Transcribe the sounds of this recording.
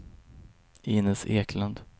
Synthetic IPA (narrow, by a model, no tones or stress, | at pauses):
ɪːnɪseːkʰland̪